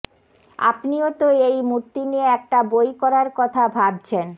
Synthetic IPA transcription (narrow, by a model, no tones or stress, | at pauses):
a̰pniot̪oejmuɾt̪ːinieɛk̚ʈabojkɔɾaɾkɔt̪ʰabʱab̚t͡ɕʰen